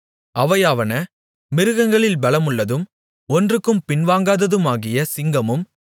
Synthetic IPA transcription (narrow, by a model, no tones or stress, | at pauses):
ʔɐʋɐjaːʋɐnɐ | mɪɾɯɣɐŋɡɐɭɪlbɐɭɐmɯɭːɐðɯm | ɔndrɯkːɯmpɪnʋaːŋɡaːðɐðɯmaːɣɪjɐsɪŋɡɐmɯm